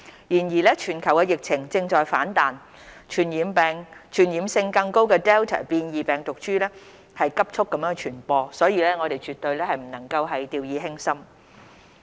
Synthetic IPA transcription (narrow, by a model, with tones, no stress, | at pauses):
jiː˨˩njiː˨˩lɛː˥t͡ʃʰyː˨˩nkʰɐ˨˩wkɛː˧jɪ˨k̚t͡sʰɪ˨˩ŋt͡sɪ˧ŋt͡ʃɔː˨jfaː˨˥nt̪aː˨n | t͡ʃʰyː˨˩njiː˨˥mpɛː˨˧ŋt͡ʃʰyː˨˩njiː˨˥msɪ˧ŋkɐ˧ŋko˥wkɛː˧t̪ɛː˥wt̪ʰa̰ː˨˩piː˧njiː˨˩pɛː˨ŋt̪ʊ˨k̚t͡ʃyː˥lɛː˥ | hɐ˨jkɐ˥p̚t͡ʃʰʊ˥kːɐ˧˥mjœː˧˥ŋt͡ʃʰyː˨˩npɔː˧sɔː˨˥jiː˨˧lɛː˥ŋɔː˨˧ɾe˨jt͡ʃyː˨˩t̪ːɵ˧ɥlɛː˥hɐ˨jm̩˨˩nɐ˨˩ŋkɐ˧wɦɐ˨jt̪iː˨˧wjiː˨˧ɦɪ˥ŋsɐ˥m